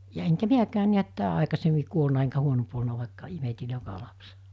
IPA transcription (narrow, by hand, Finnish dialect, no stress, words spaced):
jɑ eŋkæ miækæːn̆ niæt tæː ɑikɑsemːi kuolnɑ eŋkæ huonomp olnɑ ʋɑˑikːɑ imeti jokɑ lɑpse̥